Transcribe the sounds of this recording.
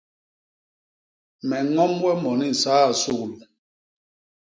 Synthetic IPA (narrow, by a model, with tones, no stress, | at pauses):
mɛ˨ŋɔ˦mwɛ˦mɔ˨ni˦n̩˨saː˦a˨su˦˨klu˨